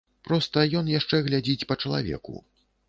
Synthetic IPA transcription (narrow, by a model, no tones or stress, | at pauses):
pɾɔst̪ɐjɔnjaʂt͡ʂɛɣlʲad͡zʲit͡sʲpɐt͡ʂɐlˠa̰vʲɛ̰kṵ